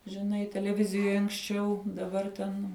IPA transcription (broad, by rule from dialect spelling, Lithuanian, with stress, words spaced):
ʒʲɪˈnɐɪ tʲɛlʲɛˈʋʲɪzʲɪjoːj ɐŋksʲˈt͡ʃʲɛʊ dɐˈbɐr tʲɛn